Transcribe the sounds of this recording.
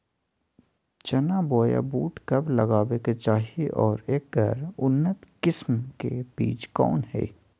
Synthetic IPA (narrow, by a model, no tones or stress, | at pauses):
t͡ʃɐnaboːja̰buːʈkɐblɐɡaːweket͡ʃaːɦiʔɔːɾeːk̚ːəɾʊnːət̪kɪsmkeb̥iːt͡ʃkɔ̰ːnhɛ̰ː